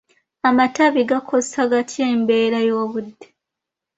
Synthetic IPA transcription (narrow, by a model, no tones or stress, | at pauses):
amataβiɡakʰossaɡatʰjeːmbe̞ːɾajo̞ːβudːe